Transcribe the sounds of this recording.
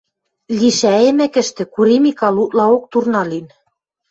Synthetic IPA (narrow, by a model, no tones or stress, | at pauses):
liʃæĕmækɘ̆ʃt̪ɘ̆kuɾimikɑlut̪lɑok̚t̪urnɑlin